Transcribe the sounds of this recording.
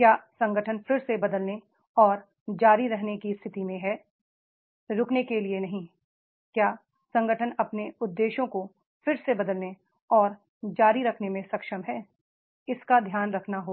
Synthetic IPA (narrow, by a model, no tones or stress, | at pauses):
kjaːsɐ̃ŋɡəʈʰənfʰɪɾsebɐd̪əlne | ɔːɾ | d͡ʒaːɾiɾɛɦnekist̪ʰɪt̪imẽɦɛ | ɾʊknekelienɐɦĩ | kjaː | sɐ̃ŋɡəʈʰənɐpneʊd̪ːeːʃõko | fɪɾsebɐd̪əlne | ɔːɾ | d͡ʒaːɾiɾɐkʰnemẽsɐkʃəmɦɛː | ɪskad̪ʱjaːnɾɐkʰnaɦoː